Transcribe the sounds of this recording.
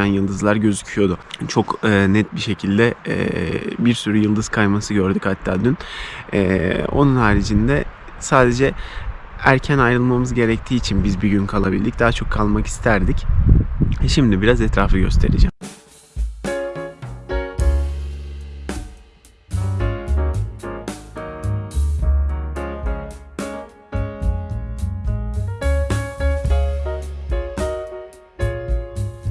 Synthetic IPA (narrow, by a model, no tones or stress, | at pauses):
ænjɯlˠd̪ɯzlˠaɾɟø̞zycʰyjo̞d̪ʊt͡ʃʰo̞kːnɛt̪̚biʃe̞cʰilʲd̪ɛɛ̰ːbiɾsyɾyjɯlˠd̪ɯz̥kʰajmasɯɟø̞ɾd̪ychat̪ʰːaːd̪ynɛːo̞̰nunɦaːɾid͡ʒind̪ɛ | saːd̪e̞d͡ʒɛ | æɾcʰænajɾɯlˠmamɯzɟe̞ɾɛc̚t̪ʰiːt͡ʃʰinbizbiɟynkʰalˠabilʲd̪ic̚d̪aːat͡ʃʰo̞kʰːalˠmaki̥st̪ʰæɾd̪ic | ʃimd̪ibiɾazɛt̪ɾaːfɯɡɟø̞st̪ʰe̞̰ɾid͡ʒæ̰m